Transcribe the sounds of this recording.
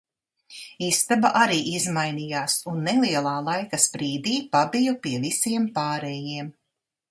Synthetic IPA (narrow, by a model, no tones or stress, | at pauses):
ist̪abaʔaɾiːʔizmajnijaːsunːɛlˠiɛlˠaːlˠajkaspɾiːd̪iːpabijɔpiɛvisiɛmpaːɾɛjiɛm